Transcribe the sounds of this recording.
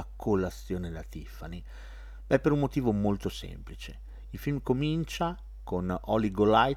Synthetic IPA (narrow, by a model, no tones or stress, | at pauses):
akʰolasːjoːned̪at̪ifani | bɛpːeɾumːot̪iːvomolt̪osḛmplit͡ʃe | ilfilmkomint͡ʃa | konɔliɡolaj